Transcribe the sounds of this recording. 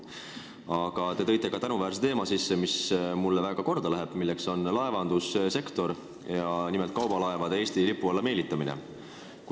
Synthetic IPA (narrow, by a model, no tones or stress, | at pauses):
ɑɡ̥ɑt̪e̞t̪ɤ̞jt̪ːˑe̞kɑt̪ænuvæːɾs̬et̪e̞ːmɑsisːemismulːevæːɡ̥ɑko̞rd̪̥ɑlæɦe̞b̥milːekso̞nlɑevɑnd̪̥usse̞kt̪o̞ɾ | jɑnimelt̪kɑwb̥ɑlɑevɑd̪eeːsʲt̪ilipːˑuolːɑme̞ːlit̪ːˑɑminḛ | k